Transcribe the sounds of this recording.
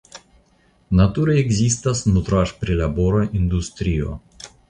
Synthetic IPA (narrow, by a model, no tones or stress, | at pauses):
nat̪uɾeeɡzʲist̪asnut̪ɾaʃpɾʲilʲaboɾaʔind̪ust̪ɾio̰